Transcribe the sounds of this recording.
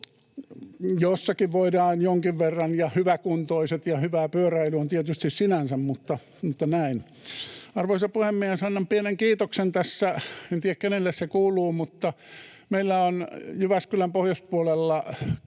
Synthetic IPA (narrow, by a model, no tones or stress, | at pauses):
josːɑkiʋʋoidɑːnjoŋkiʋʋerːɑnjɑhyʋækunt̪oiset̪jɑhyʋæːpyøræilyont̪iet̪yst̪issinænsæmmut̪ːɑ | mut̪ːɑnæin | ɑrʋoisɑpuhemːiehesɑnːɑmpieneŋkiːt̪oksent̪æsːæent̪iːækkenelːessekuːlˑuːmut̪ːɑ | meilːæonjyʋæskylæmpohjospuolelːɑ